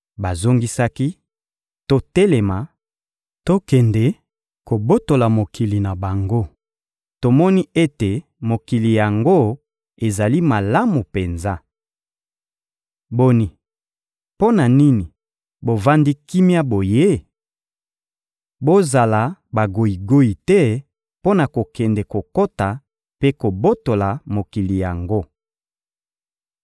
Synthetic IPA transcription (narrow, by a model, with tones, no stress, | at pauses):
ba˨zo˦ŋɡi˦sa˦ki˦ | to˦tɛ˦le˨ma˨ | to˦kɛ˨nde˨ | ko˨bo˦to˨la˨mo˨kʰi˨li˨na˨ba˨ŋɡo˦ | to˨mɔ˦ni˦e˦te˨ | mo˨ki˨li˨ja˨ŋɡo˦ | e˨za˨li˦ma˨la˦mu˨pe˨nza˦ | bo˦ni˨ | po˦na˨ni˦ni˨ | bo˨va˦ndi˦ki˦mja˦bo˨je˦ | bo˦za˨la˨ba˨ɡo˨i˨ɡo˦i˨tɛ˦ | po˦na˨ko˨kɛ˨ndɛ˨ko˨ko˦ta˨ | pe˦ko˨bo˦to˨la˨mo˨ki˨li˨ja˨ŋɡo˦